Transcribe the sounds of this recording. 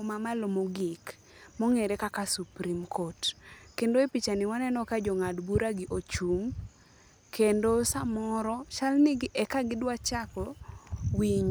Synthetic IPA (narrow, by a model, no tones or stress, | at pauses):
mamalomoɡɪk | mɔŋeɾekakasupɾimkʰotkendoepit͡ʃanɪwanɛnɔkad͡ʒɔŋadbuɾaɡɪʔot͡ʃuŋ | kʰendosamɔɾɔt͡ʃalnɪɡɪʔɛkaɡɪdwat͡ʃakɔwiɲ